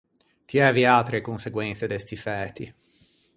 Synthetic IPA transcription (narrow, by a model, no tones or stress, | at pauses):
t̪iɛːviat̪ɾekonseɡwɛnt̪sed̪ɛst̪ifɛːt̪ːi